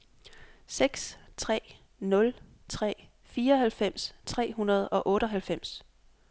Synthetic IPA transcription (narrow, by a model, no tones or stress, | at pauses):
seɡ̥st͡sʰʁɛ̰ː | nɔ̽l | t͡sʰʁɛ̰ː | fiːɐɒɦælfem̰st͡sʰʁɛ̰ːɦunɐð̞̩ˠɒ̽ʔɔ̽ːɾ̥əɦælfem̰s